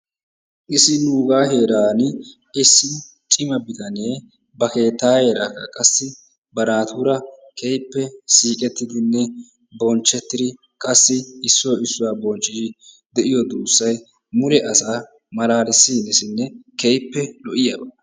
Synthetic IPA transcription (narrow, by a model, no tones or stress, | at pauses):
ʔɪsɪnuːɡaːɦe̞ːɾaːn | ɪsːɪ | t͡ʃʼɪmɐbɪt̪ɐneː | bɐke̞ːt̪ːaːheːɾaːkːɐkʼɐsːɪ | bɐnaːt̪ʊɾɐkʰejpːɛsiːkʼɛt̪ːɪd̪ɪnːɛ | bɔnt͡ʃːɛt̪ːɪd̪ɪ | kʼɐsːɪɪsːɔjɪsːʊwaːbɔnt͡ʃʼːɪʃɪ | d̪ɛʔɪjɔd̪uːsːɐj | mʊɾɛʔɐsaː | mɐlaːlɪsːiːnɛsɪnːɛkɛjpːɛlɔʔɪjɐbɐ